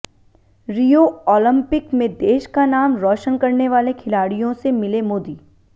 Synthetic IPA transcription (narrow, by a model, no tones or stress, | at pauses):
ɾijoːɔːlə̃mpɪkmẽd̪eːʃkanaːmɾɔːʃənkɐɾneʋaːlekʰɪlaːɽijõsemɪlemoːd̪iː